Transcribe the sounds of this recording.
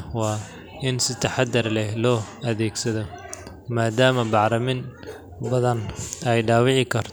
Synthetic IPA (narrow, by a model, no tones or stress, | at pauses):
wɑː | ɪnsɪt̪ʰɐħɑd̪ɐrlɛhlɔːɐðɛːɡsɐðɔ | maːd̪aːmɐbɑʕɾɐmɪn | bɐðɐnɛjɖɑːwɪʕɪkʰɐrt̪ʰ